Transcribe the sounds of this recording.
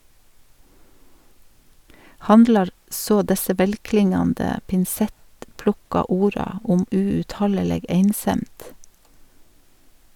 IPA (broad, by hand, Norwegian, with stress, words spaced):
ˈhɑndlɑɾ ˈsoː ˈdɛsə ˈʋɛlˌklɪŋɑndə pɪnˈsɛtˌplʊkɑ ˈuːɾɑ ˈʊm ʉʉtˈhɑləˌleːɡ ˈeɪnˌsɛmd